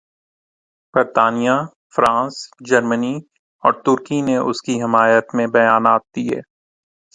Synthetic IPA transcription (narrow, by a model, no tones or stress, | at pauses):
b̥əɾt̪aːnija | fɾãːsd͡ʒɐɾməni | ɔ̰ːɾt̪ʊɾkineʔʊ̰skiɦɪmaːjət̪mẽbɐjaːnaːt̪̚d̪iɦɛ̰ː